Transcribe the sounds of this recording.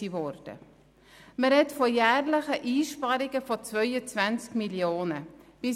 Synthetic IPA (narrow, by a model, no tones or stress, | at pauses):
ivɔɾd̥ə̰ | məɾɦɛtfɔjæːɾləχəʔiːʃpɑɾɪɡəfɔt͡svœʏət͡svænt͡skmiljoːnəb̥ɪ